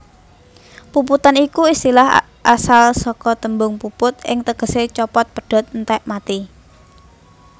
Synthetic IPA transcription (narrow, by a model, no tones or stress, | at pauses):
puput̪anikuist̪ilaɦ | ʔasalsɔkɔt̪əmbʊŋpupʊt̪̚ɪ̰ŋt̪əɡ̥ə̤set͡ʃɔpɔt̪̚pəɖ̥ɔ̤t̪̚nt̪ɛʔmat̪i